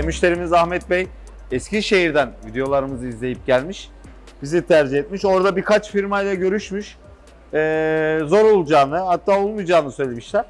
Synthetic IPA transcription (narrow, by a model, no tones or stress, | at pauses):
emyʃlʲe̞ɾimizahmɛt̪̚bɛj | ɛsciʃe̞ɦiɾd̪ænvid̪ejo̞lˠaɾɯmɯzɯizlʲe̞jip̚ɟælʲmiʃ | b̥izit̪ʰæɾd͡ʒiɦɛt̪̚miʃo̞ɾd̪abikat͡ʃfiɾmajlˠaɟø̞ɾyʃmyʃ | ɛːzo̞ɾolˠud͡ʒaːnɯhat̪ʰːaːo̞lˠmujd͡ʒaːnɯsø̞jlʲe̞miʃlʲæɾ̥